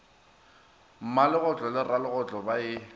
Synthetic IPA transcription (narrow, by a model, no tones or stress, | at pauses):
m̩malɪɣʊt͡ɬʼɔlɪralɪɣʊt͡ɬʼɔbaɪ